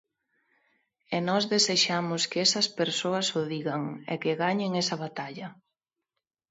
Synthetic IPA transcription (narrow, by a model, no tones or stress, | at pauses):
ɛnɔzðeseʃamʊskɪɛsɐspeɾsoɐsʊðiɣɐŋɛ̰kɪɣaɲɪŋɛsɐβat̪aʎɐ